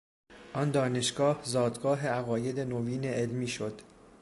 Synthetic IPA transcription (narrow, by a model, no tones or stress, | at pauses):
ʔɒnd̪ɒːne̞ʃɡɒːhzɒːd̪ɡɒːɦe̞æɣɒːje̞d̪e̞noviːne̞ʔelmiːʃo̞d̪̥